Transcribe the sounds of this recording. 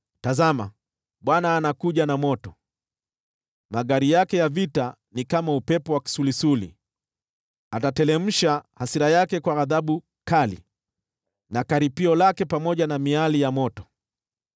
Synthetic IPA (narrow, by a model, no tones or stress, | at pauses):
tazama̰ | ɓwanaːnakuʄanamɔtɔ | maɠaɾijakɛjavita | nikamaupɛpɔwaki̥sulisulḭ | atatɛlɛm̩ʃahasiɾajakɛkwaːðaɓu | kalḭ | nakaɾipiɔlakɛpamɔʄanamialijamɔtɔ̥